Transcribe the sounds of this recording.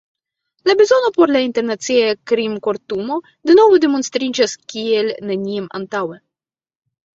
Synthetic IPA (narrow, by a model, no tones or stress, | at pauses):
labezonopoɾlaint̪eɾnat̪siakɾimkoɾt̪umo | d̪enovud̪emonst̪ɾid͡ʒaskʲielnenʲiema̰nt̪awe